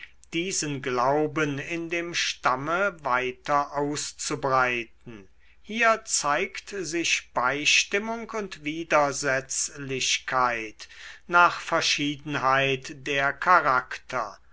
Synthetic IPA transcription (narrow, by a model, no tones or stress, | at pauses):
d̥iːzənɡlaʊbənɪndeːmʃtaməvaɪtɐʔaʊst͡subʁaɪtn̩ | hiːɐt͡saɪktzɪʃb̥aɪʃtɪmʊŋkʊntv̥iːdɐzɛt͡slɪɕkʰaɪtnaːχfɛɐʃiːdn̩ɦaɪtd̥eːɐkʰaʁaktʰɐ̰